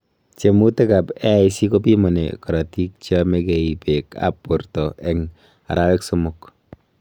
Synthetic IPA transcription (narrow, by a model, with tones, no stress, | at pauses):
t͡ʃe˨mu˦te˦ka˨pɛ˦i˦si˦ko˦pi˦mo˨nḛkɔ˨ɾa˨ti˦k̚t͡ʃjɔmeke˨i˨peka̰˦pːo˨ɾtɔ˨ʔɛ˦ŋ | a̰˨ɾawɛkso˦mʊk